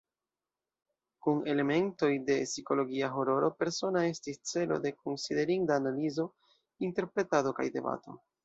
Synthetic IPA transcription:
kune̞le̞me̞nto̞jde̞siko̞lo̞ɡiaɦo̞ɾo̞ɾo̞pe̞ɾso̞nae̞stist͡se̞lo̞̰de̞konside̞ɾindaːnalizo | inte̞ɾpɾe̞tado̞ka̰jde̞̰ba̰to̞̰

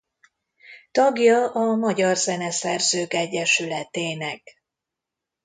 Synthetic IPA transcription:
t̪ɒɡjɒʔɒmɒɟɒrzɛnɛsɛrzøːkɛɟːɛʃylɛt̪eːnɛk

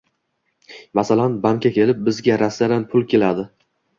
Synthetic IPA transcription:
masalanbaŋkʲakʲʰe̞lɪp̚bɪzɡʲaɾasːaɾanpʰʊlˠkʲʰe̞lad̪ɪ

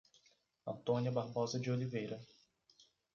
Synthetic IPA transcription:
ɐ̃nt̪õniɐbahbɔzɐd͡ʒɪolivejɾɐ

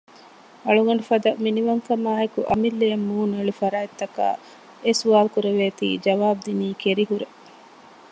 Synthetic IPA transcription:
ɐɭuɡɐɳ̆ɖufɐd̪ɐminiʋɐŋkɐmaːɦekuʔɐmilːejɐmːuːnueɭufɐɾaːit̪ːɐka̰ː | esuʋaːlkuɾeʋeːt̪ḭːd͡ʒɐʋaːb̚d̪iniːkeɾiɦuɾe

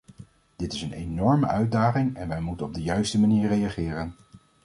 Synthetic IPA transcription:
d̥ɪtɪsənejnɔɹmə̰ʔœɥdaːχɪŋɛnʋɛjmutənɔb̚dəjœɥstəmaniːɹrejaχɪːrən

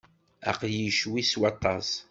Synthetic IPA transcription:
æ̰qjiʃwiswɑt̪ˤːɑs

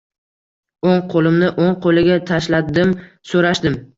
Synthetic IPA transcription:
oŋqʰolɪmnɪʔoŋqʰolɪɡʲat̪ʰaʃlad̪ɪm | soɾaʃd̪ɪm

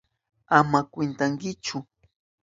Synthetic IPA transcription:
amakwɪnt̪aŋkɪt͡ʃʊ

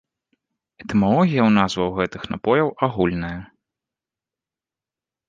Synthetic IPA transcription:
ɛt̪ɛmalˠɔɣʲijɐwn̪azvɐwɣɛt̪ɨxnapɔjɐwaɣulʲnɐjɐ

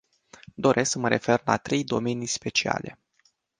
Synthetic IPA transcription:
d̪o̞ɾʔe̞sksəməɾʔe̞̰fe̞rla̰t̪ɾe̞jd̪o̞me̞nijspe̞t͡ʃia̰le̞̰

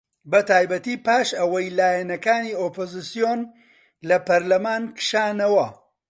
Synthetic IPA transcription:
bɐt̪aːjbɐt̪iːpaːʃɐwɐjlaːjɛnɐkaːniːoːpoːzɨsijoːn | lɐpɐɾlɐmaːnkɨ̥ʃaːnɐwɐ

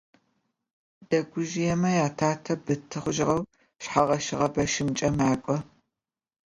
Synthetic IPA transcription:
d̥ɐɡʷʊʒɪjɛmɐjaːtʰaːtʰɐbɨtʰːɨχʷʊʒɪʁɐw | ʃħaʁɐʃɪʁɐbɐʃɪmt͡ʃʼɐmaːkʷʼɔ

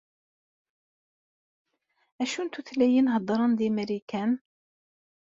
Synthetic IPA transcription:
æʃunt̪uθlæjinɦəd̪ˤɾˤɑnd̪imæɾikæn

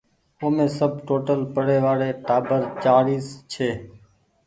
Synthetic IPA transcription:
oːmẽːsəb̚ʈoːʈəlpəɽeːʋaːɽeːʈaːbəɾt͡ʃaːɾiːst͡ʃʰeː

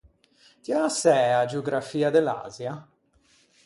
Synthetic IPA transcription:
t̪iasɛad͡ʒeoɡɾafiːad̪ela̰ːzja

